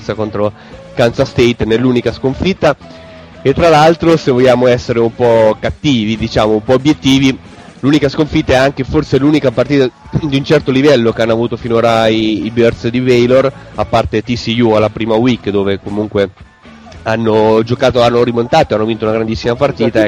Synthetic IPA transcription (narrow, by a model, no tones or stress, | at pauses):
sakont̪ɾo | kansast̪ejt̪nelːuːnikaskoɱfit̪ːa | et̪ːɾalalt̪ɾosevoʎjːaːmoɛsːeɾeumpɔkat̪ːiːvid̪it͡ʃaːmoumpɔobjet̪ːiːvi | lunikaskoɱfit̪ːaɛaŋk̟eforselunikapart̪iːt̪a | d̪iunt͡ʃɛrt̪olivɛlːokeanːoavuːt̪ofinoːɾaiːbørsd̪ivejlorapːart̪et̪isijualːapɾiːmawikːd̪oːvekomuŋkwe | anːod͡ʒokaːt̪oanːoɾimont̪aːt̪oeanːovint̪ounaɡɾand̪isːimapart̪iːt̪a